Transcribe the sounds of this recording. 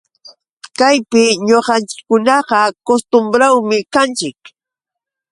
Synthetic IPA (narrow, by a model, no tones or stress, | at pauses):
kajpɪɲoqɑnt͡ʃɪ̥kːʊnɑɢɑkost̪ʊmbɾawmɪkant͡ʃɪk